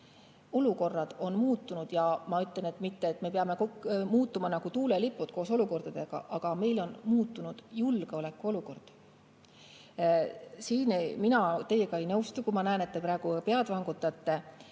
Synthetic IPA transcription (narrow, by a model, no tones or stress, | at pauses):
o̞luko̞rːɑd̪̥o̞nmuːt̪ːˑunud̪̥jɑmɑyt̪le̞ne̞t̪ːˑmit̪ːeːt̪ːˑme̞p̬eɑme̞komuːt̪ːˑumɑnɑɡ̥ut̪uːlelipˑːut̪̚ko̞ːso̞luko̞rd̪̥ɑd̪̥e̞ɡ̥ɑ̰ʔɑɡ̥ɑme̞jlo̞nmuːt̪ːˑunud̪̥julɡ̥e̞o̞le̞kːˑuo̞luko̞rd̪̥ | siːnminɑt̪e̞jːe̞ɡ̥ɑe̞jnɤwst̪ukumɑnæene̞t̪̚ːe̞pɾɑeɡ̥upe̞ɑd̪̥vɑŋɡ̥ut̪ːˑɑt̪ːe̞